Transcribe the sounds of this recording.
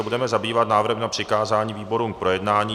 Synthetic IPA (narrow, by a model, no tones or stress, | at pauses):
ɛbudɛmɛzabiːvat̪naːvɾr̩ɦɛmnapr̝̥ɪkaːzaːɲiːviːbo̞ɾuːmk̚pɾo̞jɛdnaːɲiː